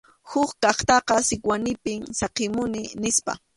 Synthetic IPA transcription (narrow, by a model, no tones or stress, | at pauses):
hʊkkɑχt̪ɑqɑsɪkwanɪpɪŋsɑqɪmʊnɪnɪspa̰